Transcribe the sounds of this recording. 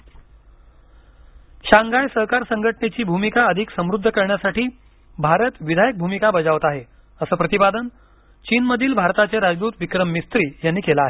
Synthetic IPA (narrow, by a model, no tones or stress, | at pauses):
ɕaŋɡajsəɦkaɾsəŋɡʱəʈɳet͡ɕiːbʱumikaəd̪ʱiksəmɾud̪ʱːəkəɾɳjasaʈiː | bʱaɾət̪ʋid̪ʱajək̚bʱumikabəd͡zaʋət̪aɦe | əsəːpɾət̪ibad̪ən | t͡ɕiːnməd̪ʱiːlbʱaɾt̪at͡seɾad͡zd̪uːt̪ʋikɾəmːist̪ɾiːjanːiːkelaːɦe